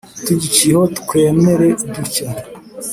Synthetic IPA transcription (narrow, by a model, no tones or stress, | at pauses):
tuɟit͡ʃiho̞tu̥kwe̞ːme̞ɾe̞duca